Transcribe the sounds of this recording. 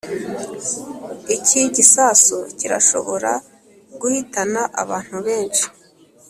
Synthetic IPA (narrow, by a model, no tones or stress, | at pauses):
icʰiɟisaːsociɾa̰ʃo̞̰βo̞ɾa | ɡuhitanaʔa̰βaːn̥huβe̞ːnʃi̥